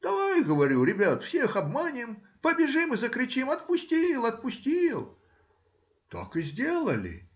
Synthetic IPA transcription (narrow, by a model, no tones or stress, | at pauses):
d̪aɡəvɐɾʲuɾʲɪbʲat̪fsʲexɐbmanʲɪm | pəbʲɪʐɨmɨzəkɾʲɪt͡ɕimɐt̪̚pʊsʲtʲilˠɐt̪̚pʊsʲtʲilˠ | t̪a̰kɨzʲdʲelˠəlʲɪ̰